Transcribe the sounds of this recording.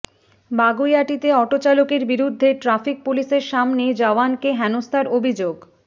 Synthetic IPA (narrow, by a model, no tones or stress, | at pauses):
baɡujaʈit̪eɔʈot͡ɕalokeɾbiɾud̪ʱːeʈɾafik̚puliʃeɾʃamned͡ʑaoankeɦɛnost̪ʰaɾobʱid͡ʑoɡ